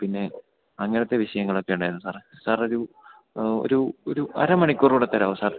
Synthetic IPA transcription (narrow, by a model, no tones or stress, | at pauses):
pinːe̞ | ɐŋːɐnɐt̪ːe̞ʋiɕɐjɐŋːɐɭo̞kːe̞juɳɖaːjɾunːusaːrsaːroɾu | o̰ɾuo̰ɾuɐ̰ɾɐmɐɳikʲːuːruːɽet̪ːɐɾɐːʋosaːr